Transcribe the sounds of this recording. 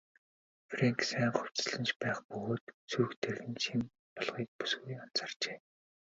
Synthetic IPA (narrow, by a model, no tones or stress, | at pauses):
freŋksæːŋχʊw̥ʲt͡sɮə̆nt͡ɕpæːχpɵɣoːt̪sukt̪ʰerɣɘ̆nt͡ɕʰim | pɔɮʁiːk̚pu̥sɡujɔn̥t͡săr̥t͡ɕeː